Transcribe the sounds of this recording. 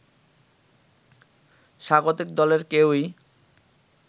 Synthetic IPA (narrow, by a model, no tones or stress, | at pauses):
ʃaɡot̪ik̚d̪ɔleɾkewi